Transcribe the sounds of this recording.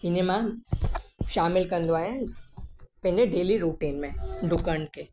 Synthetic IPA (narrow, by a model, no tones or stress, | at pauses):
ɪnemã | ʃaːmɪlkənd̪oaːjẽ | pə̃ɦɲd͡ʒeɖeːliɾuːʈiːnmẽɖʊkəɳɖke